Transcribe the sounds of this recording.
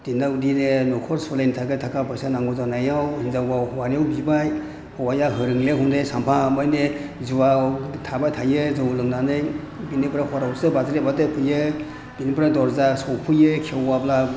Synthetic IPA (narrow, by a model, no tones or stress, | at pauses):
d̥indawdinenɔkʰɔɾsɔlajnitʰaɡajtʰakabajsanaŋɡɔzanajawhinzawawhɔwanijawbibaj | hɔwajaɦɯɾɯŋleɦundesampʰamajnezuwatʰabajtʰajezɯwlɯŋnanɯj | binibɾahɔɾawsɯbazɾebatepʰɯje | b̥inibɾadɔɾzasɔwpʰɯjekʰewabla